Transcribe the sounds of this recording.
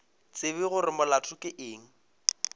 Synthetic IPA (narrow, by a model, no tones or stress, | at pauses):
t͡sʼɪβɪɣʊɾɪmʊlatʰʊkʼɪʔeːŋ̩